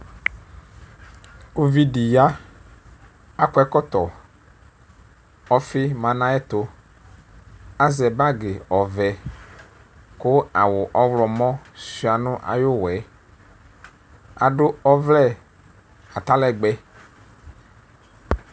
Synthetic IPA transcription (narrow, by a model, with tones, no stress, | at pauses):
o˦vi˦ɖi˨ja˦ | a˦kɛ˦kɔ˦t̪ɔ˨ | ɔ˦fɪ˦mã˨nã˦ɛ˦t̪o˦ | a˦zɛ˨ba˦ɡɪ˨ɔ˨vɛ˨ | kʊ˦a˨wʊ˨ʔɔ˦vlɔ˨mɔ̃˦si˨˦a˨nʊ̃˦ʔa̰˨jo˦wɛ˨˦ | a̰˨ɖʊ˦ɔ˦vlɛ˦˨ | a˨t̪a˦lɛ˦˨ɡ͡bɛ˦